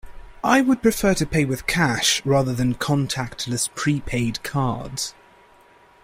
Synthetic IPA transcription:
ʔaɪwəd̚pʰɹ̥ɪfɜːtʰəpʰeɪwɪð̥kʰaʃɹɑːðəðə̃nkʰɒ̃ntʰak̚tʰləspʰɹ̥iːpʰeɪdkʰɑ̰ːdz̥

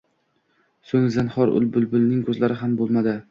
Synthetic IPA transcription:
soŋzɪnhɒɾʔʊ̰lbʊlbʊlnɪŋkʰɵzlaɾɪɦambolˠmad̪ɪ

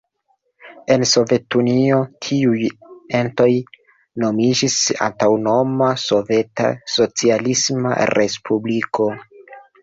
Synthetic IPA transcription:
e̞nso̞ve̞tuniotʰiuje̞nto̞j | no̞mid͡ʒisa̰ntawno̞maso̞ve̞ta̰so̞t͡sialisma̰ɾʔe̞spʰubliko̞

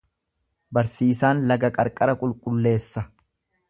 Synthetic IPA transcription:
bɐɾsiːsaːnlɐɡɐkʼɐɾkʼɐɾɐkʼʊlkʼʊlːe̞ːsːɐ

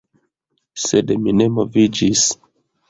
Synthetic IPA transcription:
sedmine̞mo̞vid͡ʒis

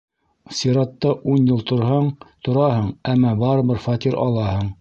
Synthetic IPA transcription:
siɾɑt̪ːɑʔunjɤlˠt̪ŏɾɦɑɴt̪ŏɾɑhɤɴæmːɑbɑɾɤ̆βɘɾfɑt̪ʲiɾʔɑ̰lˠɑhɤɴ

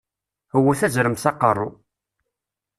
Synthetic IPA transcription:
hwːæθæzɾəmsɑqərˤːʊ

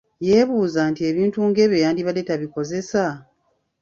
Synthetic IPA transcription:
je̞ːβuːzantie̞βiːntuːŋɡe̞βjo̞jaːndiβale̞taβiko̞ze̞sa

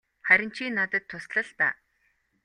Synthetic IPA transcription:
χæɾʲɪ̆n̥t͡ɕiːnːat̪ə̆t̪ʰːʊsɮə̆ɮpæ̰ː

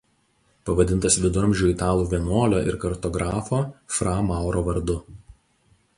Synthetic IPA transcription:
pɐʋɐd̪ʲɪnt̪ɐsʋʲɪd̪ʊɾɐmʲʒʲuɪt̪ɑːlˠuːʋʲiɛnoːlʲoːʔɪ̰ɾkɐɾt̪ɔɡɾɑːfoːfɾɑːmɑˑʊɾoːʋɐɾd̪ʊ

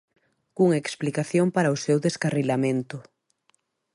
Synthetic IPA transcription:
kuŋaeksplikaθjompaɾaʊsewðeskarilamẽnt̪ʊ

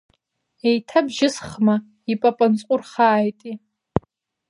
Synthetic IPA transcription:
ejtʰabʒɪsχma | ipʼapʼant͡sʼqʼʊrχaːjtʼi

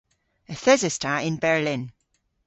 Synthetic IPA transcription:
əθɛzəstʰaɪ̃nbɛɹlɪ̃n

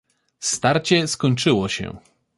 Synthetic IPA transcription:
st̪aɾt͡ɕɛskɔɲt͡ʂɘwɔɕɛ̰

